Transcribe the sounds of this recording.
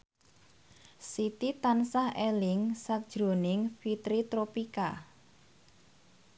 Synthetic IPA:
sit̪it̪ansahelɪŋsak̚d̥ʒ̥ɾo̤nɪŋfit̪ɾit̪ɾopika

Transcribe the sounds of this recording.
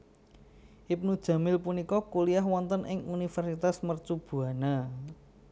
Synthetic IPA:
ʔip̚nud̥ʒ̥ä̤mɪlpunikɔkuliaɦwɔnt̪ənʔɪ̰ŋunifərsit̪asmərt͡ʃub̥ṳana

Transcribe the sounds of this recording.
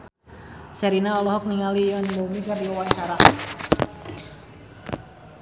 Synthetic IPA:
sɛɾinaɔlɔɦɔk̚niŋalijaniməmikardiwawaɲt͡ʃaɾaʔ

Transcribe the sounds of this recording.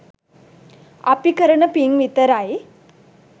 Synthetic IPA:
a̰pikəɾəɳəpiŋɡʋit̪əɾae

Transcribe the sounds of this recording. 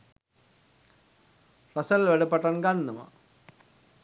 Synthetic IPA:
rɐsəlʋæɖəpaʈanɡanːəma̰

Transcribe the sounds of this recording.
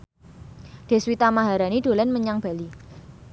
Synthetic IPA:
ɖ̪̥e̤swit̪amaɦaɾanid̥̪o̤lanməɲaŋb̥a̤li

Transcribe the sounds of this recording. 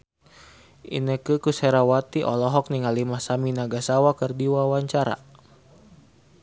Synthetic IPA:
ʔḭnəkɨkusɛɾawat̪iʔɔ̰lɔɦɔk̚niŋalimasaminaɡasawakɨrdiwawaɲt͡ʃaɾa̰

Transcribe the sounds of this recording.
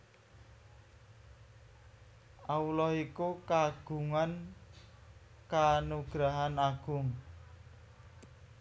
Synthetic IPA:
aulɔhikukaɡ̥ṳŋan | kanuɡ̥ɾaɦanaɡ̥ʊŋ

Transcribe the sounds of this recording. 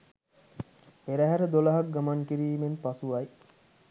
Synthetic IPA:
peɾæɦæɾəd̪olaɦak̚ɡamaŋkiɾiːmenpasuaj

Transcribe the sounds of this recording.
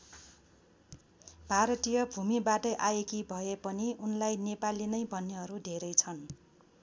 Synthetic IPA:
bʱaɾʌt̪ijʌbʱumibaʈʌʔajekibʱʌepʌniunlajnepalinʌjbʱʌnːeɦʌɾud̪ʱeɾʌjt͡sʰʌn

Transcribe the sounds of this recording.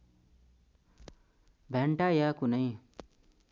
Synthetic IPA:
bʱɛɳʈajakunəĩ

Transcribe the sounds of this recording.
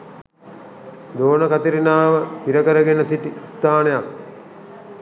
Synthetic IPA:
d̪oːnəkat̪iɾinaːʋəfiɾəkəɾəɡenəsiʈist̪aːnejak̚

